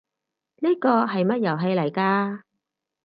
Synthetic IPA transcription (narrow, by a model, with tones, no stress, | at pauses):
niː˥kɔː˧ɦɐ˨jmɐ˥t̚jɐ˨˩wɦe˨˧jlɐ˨˩jkaː˧